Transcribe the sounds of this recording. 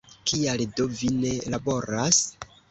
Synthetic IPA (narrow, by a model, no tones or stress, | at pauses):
kialdovine̞labo̞ɾas